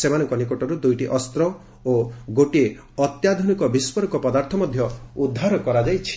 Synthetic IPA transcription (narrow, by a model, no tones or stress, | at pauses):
semanɔŋkɔnikoʈɔɾud̪ujʈiʔɔst̪ɾɔ | oɡoʈie | ɔt̪jad̪ʱɔnikɔbispɔɾɔkɔpɔd̪aɾt̪ʰɔmɔd̪ʱjɔud̪ʱːaɾɔkɔɾad͡ʒajt͡ʃʰi̥